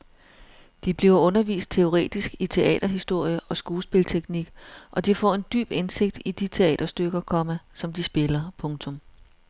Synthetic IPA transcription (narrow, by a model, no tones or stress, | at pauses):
d̥ib̥liʊɐɔ̽nɐʋḭːsd̥̚t͡sʰe̝o̝ʁɛ̰ːd̥isɡ̥it͡sʰe̝ʔɛ̰ːd̥ɐɦisd̥o̝ɐ̰jəʔɒ̽sɡ̥uːlsb̥e̝lt͡sʰeɡ̥niɡ̥ʔɒ̽d̥ifɒ̰ːe̝nd̥y̰ːb̥ense̝ɡ̥̚d̥id̥it͡sʰe̝ɛ̰ːd̥ɐsd̥øɡ̥ɐkʰɒ̽mæsɒ̽md̥isb̥e̝lɐpʰɔ̽ŋt͡sʰɔ̽m